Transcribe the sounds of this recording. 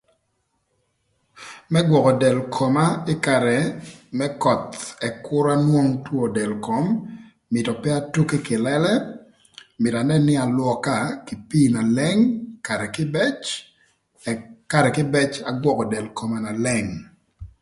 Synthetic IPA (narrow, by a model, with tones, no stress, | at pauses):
mɛ˦ɡwɔ˨kɔ˨dɛ˨lkʰo˨ma˦ɪ˦ka˨ɾɛ˨mɛ˦kɔ˨t̪ɛ˨kʊ˦ɾa˦nwo˦ŋtwo˦dɛ˨lko˨mː | ɪ˨tɔ˨pɛ˦a˦tu˦ke˦kɪ˨lɛ˦lɛ˦ | mɪ˨ta˨nɛ˦nɪ˦a˨lwɔ˦ka˦kɪ˨piː˦na˨lɛ˦ŋka˨kɪ˦bɛt͡ʃ | ka˨ɾɛ˨kɪ˦bɛ˦t͡ʃa˨ɡwɔ˦kɔ˨dɛ˨lko˨ma˨na˨lɛ˦˨ŋ